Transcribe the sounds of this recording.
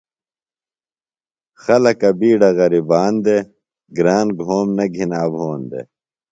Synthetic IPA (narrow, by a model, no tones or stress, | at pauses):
xɐlɐkɐbiːɖɐɣɐɾibaːnd̪e | ɡɾaːnɡʱoːmnɐɡʱinaːbʱoːnd̪ḛ